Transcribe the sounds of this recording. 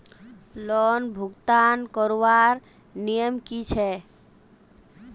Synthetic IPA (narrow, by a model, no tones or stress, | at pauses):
lɔnbʱuɡt̪ankɔɾwaɾ | nijəmkit͡ʃʰɛ